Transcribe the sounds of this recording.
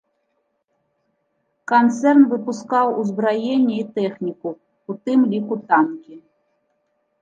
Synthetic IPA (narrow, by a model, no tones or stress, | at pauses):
kant̪sɛrnvɨpuskawuzbɾajenʲːɛit̪ɛxnʲiku | ut̪ɨmlʲikut̪amkʲi